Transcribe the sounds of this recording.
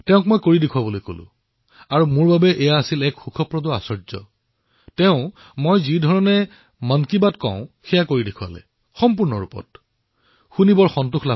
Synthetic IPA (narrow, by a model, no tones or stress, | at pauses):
tɛʊ̃k̚mojkoɹidekʰʊwabolojko̰lʊ̰̃ | aɹumʊɹbabɛʔɛjaːsilɛkxukʰɔpɹɔdɔa̰sɔɹzɔ̰ | tɛʊ̃ | mojzidʱɔɹɔnɛ | mɔnkibatkɔ̰̃ʊ̃xɛjakoɹidekʰwa̰lɛ̰ | xɔmp̬uɹnɔɹupɔ̰t | xunibɔɹxɔntuxʰla